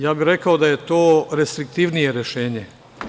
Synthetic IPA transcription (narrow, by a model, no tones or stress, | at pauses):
jaːbiɾe̞kaod̪aje̞t̪o̞ːɾest̪ɾik̚t̪iʋnije̞ɾjeʃeːɲe̞